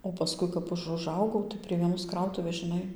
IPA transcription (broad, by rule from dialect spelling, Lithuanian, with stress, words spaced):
oː pɐˈskʊɪ kɐp ˈɐʃ ʊˈʒɐʊɡɐʊ tɐɪ pʲrʲiɛ ʋʲiɛˈnoːs ˈkrɐʊtʊʋʲeːs ʒʲɪˈnɐɪ